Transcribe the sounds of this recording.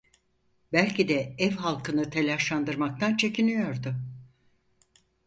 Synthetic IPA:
bælʲcid̪ɛɛvɦalˠkʰɯnɯt̪ʰe̞lʲaʃlˠand̪ɯɾmak̚t̪ʰant͡ʃʰe̞cʰinyjo̞ɾd̪ʊ

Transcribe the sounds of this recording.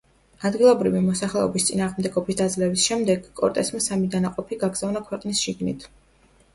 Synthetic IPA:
ad̪ɡilˠɔbɾivimɔsaχlɛɔbist̪sʼinaːʁmd̪ɛɡɔbisd̪ad̪zlɛbisʃɛmd̪ɛɡkʼɔ̰ɾt̪ʼɛsmasamid̪anaqʼɔpʰiɡaɡzavnakʰwɛqʼnisʃiɡnḭt̪ʰ

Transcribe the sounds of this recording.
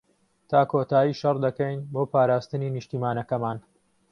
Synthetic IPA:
t̪ʰaːkʰoːt̪aːjiːʃɐrd̪ɐkɐjnboːpaːɾaːst̪ɨniːnɨʃt̪iːmaːnɐkɐmaːn

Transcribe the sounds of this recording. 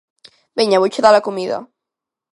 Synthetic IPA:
beɲaβowt͡ʃeðalakumiðɐ̰

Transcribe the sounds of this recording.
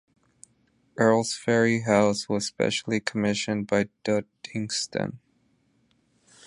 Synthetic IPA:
ʔɜ˞lˠz̥fɛɹiɦaʊswʌz̥spɛ̰ʃl̩ˠikʰəmɪʃɨ̃nbaɪd̥ʌdɪ̃ŋstɨ̰̃n

